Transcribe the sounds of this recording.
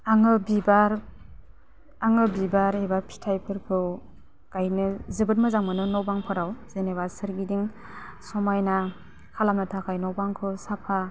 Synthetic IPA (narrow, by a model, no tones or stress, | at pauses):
aŋɯbibaɾ | aŋɯbibaɾebapʰi̥tʰajpʰɯɾkʰɯ | ɡ̥ajnɯzɯbɯt̚mɯzaŋmɯnɯnɔwbaŋpʰɯɾawz̥enebasɯɾɡidiŋ | sɔmajna | kʰalamnɯtʰakʰajnɔwbaŋkʰɯsapʰa